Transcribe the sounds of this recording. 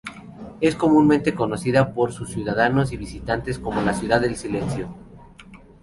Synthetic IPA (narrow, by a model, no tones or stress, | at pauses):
e̞sko̞mũnmẽnt̪e̞ko̞no̞siðapo̞ɾsusːjuðaðano̞s̬iβisit̪ant̪e̞sko̞mo̞lasjuðaðːe̞lsile̞nsjo̞